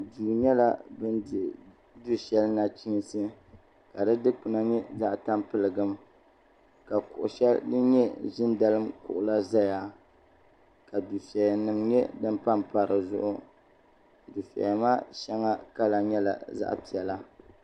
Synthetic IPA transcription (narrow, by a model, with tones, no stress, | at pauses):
du˨ɲɛ˦la˦bɨ˦ndɪ˨ | du˦ʃɛ˦lna˨t͡ʃi˦ŋ˦sɨ˦ | ka˨dɨ˦dɨ˦k͡pɨ˨na˦ɲɛ˦za˦ʔta˦mpɨ˨lɨ˨ɡɨ˦m | ka˨kʊ̰˨ʔʊ̰˨ʃɛ˦ldɨ˦ɲɛ˦ʒɪ˦nda˨lɨ˦mkʊ̰˨ʔʊ˨la˦za˦ja˦ | ka˨du˨fɛ˨ja˨nɨ˨mɲɛ˦dɨ˦mpa˦mpa˨ɾɨ˨zʊ̰˦ʔʊ˦˨ | du˨fɛ̰˨ja˨ma˦ʃɛ˦ŋa˦ka˦la˨ɲɛ˦la̰˨za̰˦ʔpi˨ɛ˨la˦